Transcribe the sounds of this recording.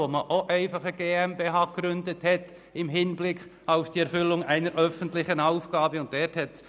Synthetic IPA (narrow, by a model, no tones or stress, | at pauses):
oməʔoʔɛɪfɑχəɡ̥eːɛmbeːɦɑːkɾʏndəthɛt | ɪmɦɪnblɪkχ | aʊfd̥iːɛɾfʏlʊŋʔæɪnəɾʔœfən̩tlɪçənaʊfɡ̥ɑːbəʊnt̚d̥ɛɾthɛts